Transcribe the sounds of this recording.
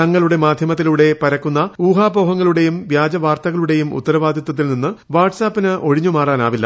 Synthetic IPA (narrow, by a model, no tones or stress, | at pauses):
ɐŋːɐɭuɽe̞maːd̪ʱjɐmɐt̪̬ːiluɽe̞pɐɾɐkːunːɐuːɦaːboːɦɐŋːɐɭuɽe̞jumʋjaːd͡ʑɐʋaːrt̪ɐɣɐɭuɽe̞jumṵt̪ːɐɾɐʋaːd̪ʱjɐt̪ːɐt̪ːilninːɨʋaːrʈsaːpːinɨʔo̞ɻiɲːumaːraːnaːʋilːɐ̰